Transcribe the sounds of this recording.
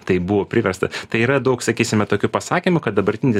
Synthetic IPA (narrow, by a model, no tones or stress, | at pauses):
t̪ɐɪbuʋoːpʲɾʲɪʋʲɛɾst̪ɐt̪ɐɪiːɾɐd̪ɐʊksɐkʲiːsʲɪmʲɛt̪oːkʲʊpɐsɑːkʲimʊkɐt̪̚d̪ɐbɐɾʲt̪ʲɪnʲɪ